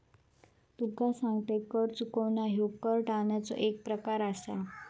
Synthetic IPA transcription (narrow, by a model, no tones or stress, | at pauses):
t̪ukasãŋɡt̪ekəɾt͡sukəʋɳaɦjokəɾʈaɳjat͡sɔ̰ʔek̚pɾəkaɾasa̰